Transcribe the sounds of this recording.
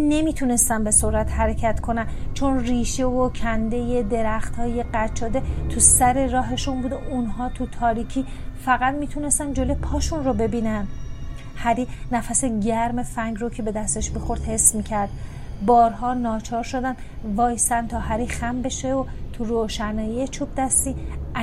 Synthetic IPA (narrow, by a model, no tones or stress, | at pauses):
ne̞mit̪ʰune̞st̪ænbe̞soɾæt̪hæɾecʰæt̪kʰo̞nænt͡ʃʰonriːʃe̞vocʰænd̪e̞je̞d̪e̞ɾæxt̪ʰhɒːje̞ɢæt͡ʃʰːɒːd̪e̞t̪ʰusæɾe̞ɾɒːɦe̞ʃunbuːd̪oʔunɦɒːt̪ʰut̪ʰɒːɾicʰiːfæɣæd̪miːt̪ʰune̞st̪ænd͡ʒolojepʰɒːʃunro̞be̞biːnæn | hæɾiːnæfæseɟæɾme̞fæŋɡɾocʰe̞be̞d̪æst̪eʃmixo̞ɾd̪he̞smiːcʰæɾd̪̥ | bɒːɾɦɒːnɒːt͡ʃʰɒːɾʃod̪ænvɒːjst̪ænt̪ʰɒːɦæɾiːxæmbe̞ʃeot̪ʰuɾoːʃænɒːjijet͡ʃʰub̚d̪æst̪iː